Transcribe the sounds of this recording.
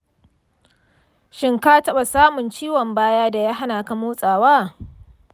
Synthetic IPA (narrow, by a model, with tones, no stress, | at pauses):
ʃɪ˦ŋkaː˦tɐ˦ɓa˨saː˦mʊ˨nt͡ʃiː˦wɔ˨mbaː˦jaː˦da˨jaː˦ɦa˦naː˨ka˦moː˦sʼaː˨waː˦